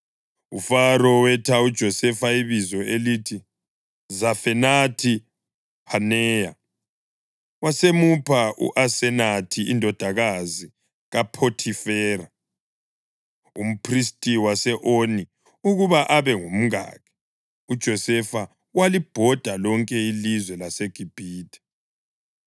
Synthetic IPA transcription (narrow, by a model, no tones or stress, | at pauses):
ufaɾɔwɛtʰaud̥ʒ̥ʱɔsɛfaiβizɔelitʰi | zafɛnatʰi | hanɛːja | wasemupʰaṵʔasɛnatʰiindʱɔd̥ʱaɣazi | ɣapʰotʰifɛːɾa | um̩pʰristʼiwasɛʔoni | uɣuβaʔaβɛŋom̩a̰ːɣʰɛ̥ | ud̥ʒ̥ʱɔsɛfa | walib̥ʱɔd̥ʱalɔŋkʼɛilizwɛlaseɡ̥ʱib̥ʱiːtʰʼɛ̥